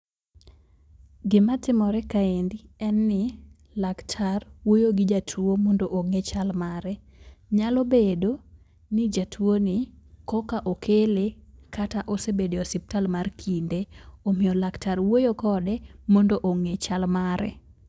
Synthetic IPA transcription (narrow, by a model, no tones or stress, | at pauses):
ɡɪmatɪmɔɾɛkaendiɛnːɪ | laktʰarwojoɡɪd͡ʒatʰuomɔndoʔoŋet͡ʃalmaɾɛ | ɲalɔbedo | nɪd͡ʒatʰuonɪkɔkaʔokʰelekʰataʔɔsebedeɔsip̚talmarkʰindeomɪɔlaktaɾwojokɔdɛmɔndoʔoŋet͡ʃalmaɾɛ̰